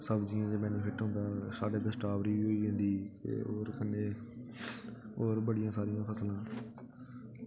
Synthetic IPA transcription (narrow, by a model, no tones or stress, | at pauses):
səbd͡ʒɪjãːt̪eːmɛ̃ːnũːpʰɪʈɦõnd̪aːsaːɖeːd̪əsʈaːʋɾiːʋiːɦoːiːɦẽːnd̪iːt̪ḛːoːɾkənːeː | oːɾbəɽɪjãːsaːɾɪjãːpʰəslãː